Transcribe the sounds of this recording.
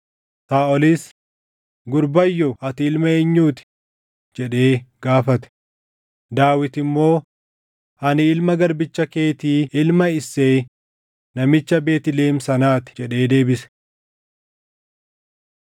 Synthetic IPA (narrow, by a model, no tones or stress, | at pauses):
saːɔliːs | ɡʊɾbɐjːɔʔɐt̪ɪɪlmɐeːɲːuːt̪ɪ̥ | d͡ʒɛᶑe̞ːɡ̥aːfɐt̪ɛ̥ | d̪aːwɪt̪ɪmːo̞ː | ɐnɪɪlmɐɡɐɾbɪt͡ʃːɐke̞ːt̪iːɪlmɐɪsːeː | nɐmɪt͡ʃːɐbe̞ːt̪ɪle̞ːmsɐnaːt̪ɪ̥d͡ʒɛᶑe̞ːd̪e̞ːbɪsɛ̥